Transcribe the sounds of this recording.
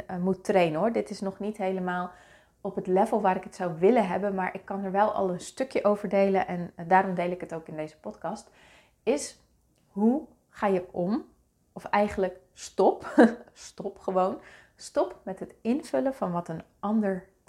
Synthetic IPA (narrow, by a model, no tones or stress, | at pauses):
mutrejnəɦoːɹdɪtɪsnɔχnitɦejləmaːlˠ | ɔpətlɛvəlˠʋaːɾɪkətsawʋɪlənɦɛbənmaːɹʔɪkːɑnəɹʋɛlˠʔɑ̰lˠənstɵkjəʔowvəɹdejlənʔɛndaːɾɔmdejlɪkətowkɪndejzəpɔtkɑst | ɪs | ɦu | χaːjəʔɔm | ɔfɛjχənlək | stɔpstɔpχəʋown | stɔpmɛtɦətɪnv̥ɵlənv̥ɑnʋɑtən | ɑndəɹ